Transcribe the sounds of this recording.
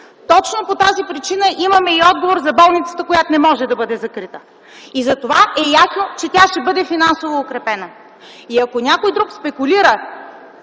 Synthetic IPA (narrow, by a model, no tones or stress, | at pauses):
t̪ɔt͡ʃnopot̪azipɾit͡ʃinəʔimɐmɛiɔd̪̚ɡovoɾzɐbɔlˠnit̪sə̥t̪əkojat̪onɛmɔʒɛd̪ɐbɤd̪ɛzɐkɾit̪ə | izɐt̪ovaɛjasnot͡ʃɛt̪ʲaʃt̪ɛbɤd̪ɛfinansovoːkɾɛpɛnə | iɐkonʲakojd̪ɾukspɛkʊliɾə